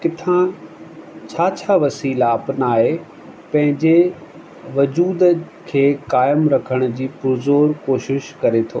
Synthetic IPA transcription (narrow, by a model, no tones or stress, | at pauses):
kɪt̪ʰã | t͡ɕʰaːt͡ɕʰaːʋɐsiːlaɐpnaːɦe | pɐ̃ɦɪ̃ɲd͡ʑe | ʋɐd͡ʑuːd̪ | kʰeːkaːɪmɾɐkʰəɽ̃ʊ̆d͡ʑiːpʊɾzoːɾkoːʃɪʃkɐɾet̪ʰoː